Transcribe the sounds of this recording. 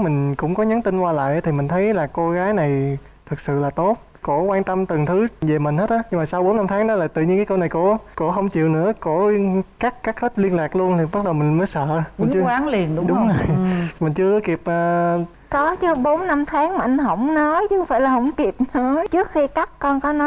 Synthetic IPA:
mï˨˩ŋ̟kʊ̰˧˥ŋ͡mkɔ˨˦ɲə˨˦nt̪i˧nkwaː˧la̰ː˧˨jʔt̪ʰi˨˩mï˨˩ŋ̟t̪ʰə˨˦jlaː˨˩ko˧ɣaː˨˦jna˨˩j | t̪ʰɨ˨˩k̚sɨ̰˧˨laː˨˩t̪o˦˥t̚ | ko̰˧˩kwaː˧nt̪ə˧mt̪ɨ˨˩ŋt̪ʰɨ˨˦ve˨˩mï˨˩ŋ̟he˦˥t̚ʔaː˨˦ɲɨ˧ŋmaː˨˩sa˧wɓo˨˦nːa˧mt̪ʰaː˨˦ŋɗɔ˨˦laː˨˩t̪ɨ̰˧˨ɲi˧nkaː˨˦jkə˧wna˨˩jko̰˧˥ko̰˧˥xə˧wŋ͡mt͡ɕḭ˧˨wnɨ̰˧˥əko̰˧˩˥kaː˦˥k̚kaː˦˥k̚he˦˥t̚li˧ənlaː˨˩k̚lu˧ənt̪ʰi˨˩ɓə˦˥t̚ɗə˨˩wmï˨˩ŋ̟məː˨˦jsə̰ː˧˨mi˨˩˦t͡ɕwaː˨˦ŋli˨˩ənɗʊ˨˦ɗʊ˨˦ŋ͡mzo˨˩jjmï˨˩ŋ̟t͡ɕɨ˧əkki˨˩p̚ʔəː˨˩ | kɔ˨˦t͡ɕɨ˨˦ɓo˨˦nna˧mt̪ʰaː˨˦ŋmaː˨˩ʔa˧jŋ̟ɦə˧˩wŋ͡mnɔ˨˦jt͡ɕxŋ͡mfaː˧˩jlaː˨˩hə˧˩wŋ͡mki˨˩əp̚nɔ˧˨˦t͡ɕɨ˦˥ək̚xi˧ka˦˥k̚kɔ˧nkɔ˨˦nɔ˨˦

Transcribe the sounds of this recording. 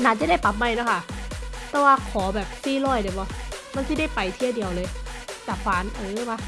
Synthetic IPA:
naː˨˥t͡ɕa˧˨˦da˥˩jpa˨˧˩p̚ma˧˩jna˧˥˩kʰa˥˩ʔt̪ɛː˧˦waː˧kʰɔː˩˦bɛː˨˩p̚siː˧˥˩lɔː˧˩jda˨˩jbɔ˧˦ma˧˥˨nsi˧˥˩da˥˩jpa˨˩jt̪ʰi˧˩ədi˨əwlɤː˧jt̪ɛː˨˩kʰaː˨˦nʔɤː˧˦ma˦˧˥

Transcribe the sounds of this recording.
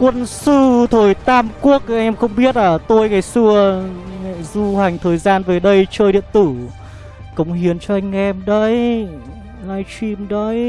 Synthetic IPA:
kwə˧nsɨ˧t̪ʰəː˨˩jt̪aː˧mku˦˥ək̚jŋʔɛ˧mxə˧wŋ͡mɓi˦˥ət̚ləː˨˩t̪o˧jŋaː˨˩jsɨ˧əŋɛ̰˧˨zu˧ha˨˩jŋ̟t̪ʰəː˨˩jzaː˧nvəː˨˩jɗə˧jt͡ɕəː˧jɗḭ˧˨ənt̪ɨ˧˩ | kə˨˩wŋ͡mhi˨˦ənt͡ɕɔ˧ʔa˧jŋ̟ʔɛ˧mɗə˧˦j | laː˧jt͡ɕi˧mɗə˧˦j

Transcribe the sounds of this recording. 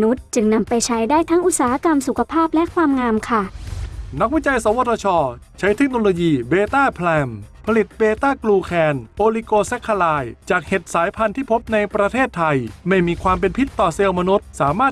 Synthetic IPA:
nu˦˥t̪̚t͡ɕɯ˧ŋna˧mpa˧jt͡ɕʰa˦˥jdaː˥˩jt̪ʰa˦˥ŋʔu˨˩saː˩˦ha˦˥ka˧msu˨˩kʰa˧pʰaː˥˩p̚lɛ˦˥kʰwaː˧mŋaː˧mkʰa˥˩na˦˥k̚wi˦˥˩t͡ɕa˧jsa˩˦wo˧t̪ʰɔː˧t͡ɕʰɔː˧t͡ɕʰa˦˥jt̪ʰe˦˥k̚noː˧loː˧jiː˧beː˧t̪aː˥˩pʰlɛː˧mpʰa˧li˨˩t̪̚beː˧t̪aː˥˩kluː˧kʰɛː˧nʔoː˧liː˧koː˧sɛ˦˥kʰːa˧laː˧jt͡ɕaː˨˩k̚he˨˩t̪̚saː˩˦jpʰa˧nt̪ʰiː˥˩pʰo˦˥p̚na˧jpɾa˧t̪ʰeː˥˩t̪ʰːa˧jma˥˩jmiː˧kʰwaː˧mp̬e˧npʰi˦˥t̪ːɔː˨˩se˧wma˧nu˦˥t̪̚saː˩˦maː˥˩t̪̚

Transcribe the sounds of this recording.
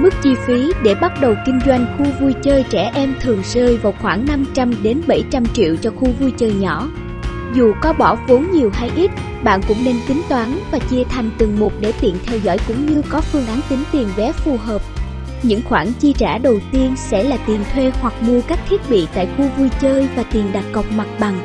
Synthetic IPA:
mɨ˦˥k̚t͡ɕi˧fi˨˦ɗe˧˩ɓa˦˥t̚ɗə˨˩wkï˧ŋ̟zwa˧jŋ̟xu˧vu˧jt͡ɕəː˧jt͡ɕɛ˧˩ʔɛ˧mt̪ʰɨ˨˩əŋsəː˧jvaː˨˩wxwaː˧˩ŋna˧mt͡ɕa˧mɗe˨˦nɓə˧˩jt͡ɕa˧mt͡ɕḭ˧˨wt͡ɕɔ˧xu˧vu˧jt͡ɕəː˧jɲɔ˧˩ | zu˨˩kɔ˨˦ɓɔ˧˩vo˨˦nɲi˨˩əwɦaː˧jʔi˦˥t̚ | ɓa̰ː˧˨nkʊ̰˧˥ŋ͡mne˧nk̪i˨˦ŋ̟t̪waː˨˦nvaː˨˩t͡ɕi˧ət̪ʰa˨˩jŋ̟t̪ɨ˨˩ŋmu˨˩t̚ɗe˧˩t̪ḭ˧˨nt̪ʰɛ˧wzɔ̰ː˧˥˩jkʊ̰˧˥ŋ͡mɲɨ˧kɔ˨˦fɨ˧əŋʔa˨˦nt̪ï˨˦ŋ̟t̪i˨˩ənvɛ˨˦fu˨˩ɦəː˨˩p̚ | ɲɨ̰˧˥ŋxwaː˧˩ŋt͡ɕi˧t͡ɕa̰ː˧˩ɗə˨˩wt̪i˧ənsɛ̰˧˥laː˨˩t̪i˨˩ənt̪ʰwe˧hwa˨˩k̚mu˧əkaː˦˥k̚t̪ʰi˦˥ət̚ɓḭ˧˨t̪a̰ː˧˨jxu˧vu˧jt͡ɕəː˧jvaː˨˩t̪i˨˩ənɗa˨˩t̚kɔ˨˩wk͡p̚ma˨˩t̚ɓa˨˩ŋ

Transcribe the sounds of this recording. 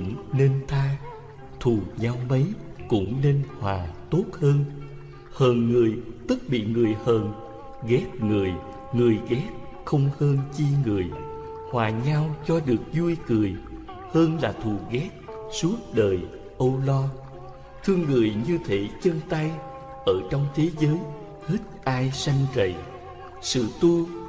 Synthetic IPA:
ŋ͡mne˧nt̪ʰaː˧ | t̪ʰu˨˩ɲa˧wmə˨˦jkʊ̰˧˥ŋ͡mne˧nhwaː˨˩t̪o˦˥t̚həː˧n | həː˨˩nŋɨ˨˩əjt̪ɨ˦˥k̚ɓḭ˧˨ŋɨ˨˩əjhəː˨˩n | ɣɛ˦˥t̚ŋɨ˨˩əj | ŋɨ˨˩əjɣɛ˦˥t̚ | xə˧wŋ͡mhəː˧nt͡ɕi˧ŋɨ˨˩əj | hwaː˨˩ɲa˧wt͡ɕɔ˧ɗɨ˨˩ək̚zu˧əjkɨ˨˩əj | həː˧nlaː˨˩t̪ʰu˨˩ɣɛ˦˥t̚ | su˦˥ət̚ɗəː˨˩j | ʔə˧wlɔ˧ | t̪ʰɨ˧əŋːɨ˨˩əjɲɨ˧t̪ʰe˧˦t͡ɕə˧nt̪a˧j | ʔəː˧˩t͡ɕɔ˧wŋ͡mt̪ʰe˨˦zəː˨˦j | hi˦˥t̚ʔaː˧jsa˧jŋ̟zə̰˧˨j | sɨ̰˧˨t̪u˧

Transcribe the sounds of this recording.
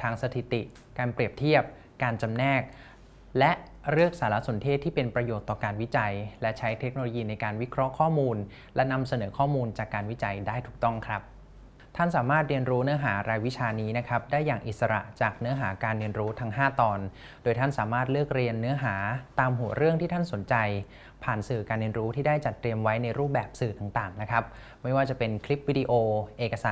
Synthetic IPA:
t̪ʰaː˧ŋsa˧t̪ʰi˨˩t̪i˨˩ | kaː˧npɾi˨˩əp̚t̪ʰi˥˩əp̚ | kaː˧nt͡ɕa˧mnɛː˥˩k̚ | lɛ˦˥ʔ | ɾɯ˥˩ək̚saː˩˦la˦˥so˩˦nt̪ʰeː˥˩t̪ʰːiː˥˩pe˧npɾa˧joː˨˩t̪ːɔː˨˩kaː˧nwi˦˥t͡ɕa˧jlɛ˦˥t͡ɕʰa˦˥jt̪ʰe˦˥k̚noː˧loː˧jiː˧na˧jkaː˧nwi˦˥kʰɾɔ˦˥ʔkʰɔː˥˩muː˧n | lɛ˦˥na˧msa˧nɤː˩˦kʰɔː˥˩muː˧nt͡ɕaː˨˩kːaː˧nwi˦˥t͡ɕa˧jdaː˥˩jt̪ʰuː˨˩k̚t̪ɔ˥˩ŋkʰɾa˦˥p̚ | t̪ʰa˥˩nsaː˩˦maː˥˩t̪̚ɾi˧ənɾuː˦˥nɯ˦˥ɐɦaː˩˦ɾaː˧jwi˦˥t͡ɕʰaː˧niː˦˥na˦˥kʰɾa˦˥p̚daː˥˩jːaː˨˩ŋʔi˨˩sa˧ɾa̰˨˩ʔt͡ɕaː˨˩k̚nɯ˦˥ɐɦaː˩˦kaː˧nɾi˧ənɾuː˦˥t̪ʰa˦˥ŋɦaː˥˩t̪ɔː˧n | doː˧jt̪ʰa˥˩nsaː˩˦maː˥˩t̪̚lɯ˥˩ək̚ɾi˧ənːɯ˦˥ɐɦaː˩˦t̪aː˧mɦu˨˩˦ɐɾɯ˥˩əŋt̪ʰiː˥t̪ʰa˥˩nso˩˦nt͡ɕa˧j | pʰaː˨˩nsɯː˨˩kaː˧nɾi˧ənɾuː˦˥t̪ʰiː˥˩daː˥˩jt͡ɕa˨˩t̪ːɾi˧əmwa˦˥jna˧jɾuː˥˩p̚bɛː˨˩p̚sɯː˨˩t̪a˨˩ŋt̪aː˨˩ŋna˦˥kʰɾa˦˥p̚ | ma˥˩jwaː˥˩t͡ɕa˨˩pe˧nkʰli˦˥p̚wiː˦˧di˧ʔoː˧ʔeː˨˩ka˧saː˨˩˦

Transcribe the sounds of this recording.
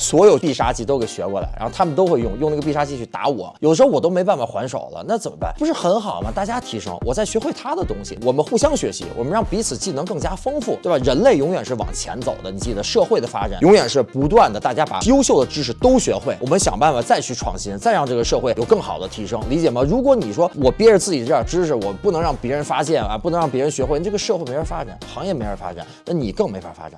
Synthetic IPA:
swɔ˧˥jo˨˩ʊpi˥˩ʂa̰˥t͡ɕi˥t̪o˥ʊke˨˩ɪɕɥɛ˧˥kwɔ˥˩la̰˧˥ɪɻa̰˧˥xʊa˥mə˨nt̪o˥ʊxwe˥˧ɪjʊ˥˧ŋjʊ˥˧ŋna˥˩ɡəpi˥˧ʂa˥t͡ɕi˧˥t͡ɕʰy˥˩t̪a̰˧˥wɔ̰˨˩˦jo˨˩də˧ʂ̩ɻ̩˧xwɔ˨˩t̪o˥ʊme˧˥ɪpa˥˩n˩fa˨˩xwa̰˧˥nʂo˨˩ʊlə̰˦na˥˩t͡sə˨˩nmə˦pa̰˥˩npu˧˥ʂɻ̩˥˩xə˧˥nxɑ˨˩ʊmɐ˦t̪a˥˩t͡ɕja˥t̪ʰi˧˥ʂɤ̰˥ŋwʔɔ˨˩t͡sa˥˩ɪɕɥɛ˧˥xwe˥˩ɪt̪ʰa˥d̪ə˨t̪ʊ˥ŋɕḭ˨˩wɔ˨˩mə˦nxu˥˩ɕjɑ˥ŋɕɥɛ̰˧˥ɕḭ˧˥wɔ̰˨˩mə˦nɻɑ˥˩ŋpi˧˥t͡sʰɹ̩˨˩t͡ɕi˥˩nɤ˧˥ŋkɤ˥˩ŋt͡ɕja˥fɤ˥ŋfu˥˩t̪e˥˩ba˩ɻə˧˥nle˥˩ɪjʊ˧˥ŋɥɛ˨˩nʂɻ̩˥˩wɑ̰˨˩ŋt͡ɕʰjɛ̰˧˥nt͡so̰˨˩ʊd̪ə˦ni˨˩t͡ɕi˥˩d̪ə˩ʂɤ˥˧xwe˥˩ɪd̪ə˩fa̰˥ʈ͡ʂa̰˨˩˦jʊ˧˥ŋɥɛ˨˩nʂɻ̩˥˩pu˧˥t̪wa˥˩nd̪ə˩t̪a˥˩t͡ɕja˥pa̰˨˩jo˥ʊɕjo˥˩ʊd̪ə˩ʈ͡ʂɻ̩˥ʂ̬̩˨˥˩t̪o˥ʊɕɥɛ̰˧˥xwe˥˩ɪwʔɔ˨˩mə˦nɕjɑ̰˨˩ŋpa˥˧nfa˨˩t͡sa˥˧ɪt͡ɕʰy˥˧ʈ͡ʂʰwɑ̰˥˩ŋɕi˥nt͡sa˥˧ɪɑ˥˧ŋʈ͡ʂɤ˥˩ɡə˩ʂɤ˥˧xwe˥˩ɪjo˨˩ʊkɤ˥˩ŋxɑ˨˩ʊd̪ə˦t̪ʰi˧˥ʂɤ˥ŋli˧˥t͡ɕjɛ˨˩mɐ˦ɻu˧˥k̬wɔ˧˥ni˨˩ʂwɔ˥wɔ˨˩pjɛ˥ɻə˧t͡sɹ̩˥˩t͡ɕi˨˩ʈ͡ʂɤ˥˧jə˥˩ʈ͡ʂɻ̩˥ʂɻ̩˨˩wɔ˨˩pu˥˩nɤ˧˥ŋɻɑ˥˩ŋpjɛ˧˥ɻə˧˥nfa˥ɕjɛ˥˩na̰˧˩pu˥˩nɤ˧˥ŋɻɑ˥˩pjɛ˧˥ɻə˧˥nɕɥɛ˧˥xwe˥˧n˥˧ʈ͡ʂɤ˥˩ɡə˧ʂɤ˥˧xe˥˩ɪme˧˥ə˧˩fa˥ʈ͡ʂa̰˨˩˦nxɑ˧˥ŋjɛ˥˩m˧˥ɪ˞˧˥˩fa̰˥ʈ͡ʂa̰˨˩˦nna˥˩ni˨˩kɤ˥˩ŋme˧˥ɪfa˞˨˩fa̰˥ʈ͡ʂa̰˨˩˦

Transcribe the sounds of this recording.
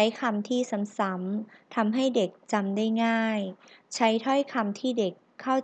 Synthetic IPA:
a˦˥jkʰa˧mt̪ʰiː˥˩sa˩˦msa˩˦mt̪ʰa˧mɦa˥˩jde˨˩k̚t͡ɕa˧mdaː˥˩jŋaː˥˩jt͡ɕʰa˦˥jt̪ʰɔ˥˩jkʰa˧mt̪ʰiː˥˩de˨˩kʰːa˥˩w

